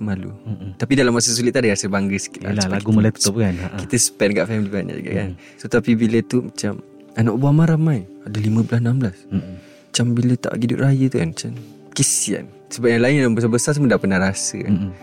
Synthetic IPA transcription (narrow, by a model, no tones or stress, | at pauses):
malṵt̪apidalamːasəs̬ulit̪̚ːuadəɡɾasəbaŋɡəsə̥kit̪la̰aaɡumolaiə̥t̪ɔbkanakit̪əsə̥pɛt̪̚ɡaʔfɛmilibaʔɲa̰d͡ʒṵɡa̰ka̰n | sot̪apibilət̪umat͡ʃam | anaʔbuamaɾamajadəlimə̃blasnambəlas | mat͡ʃambilət̪a̰ʔɡiduʔ̪̚rajət̪ukanmat͡ʃam | kisia̰n | səbap̚jaŋlaindambəsabəsasamədapənaɾasə̰